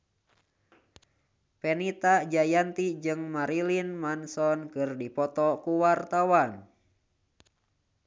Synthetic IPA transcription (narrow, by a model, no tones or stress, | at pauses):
pɛnit̪ad͡ʒajant̪id͡ʒɨŋmaɾilinmansɔnkɨrdipɔt̪ɔkuwart̪awan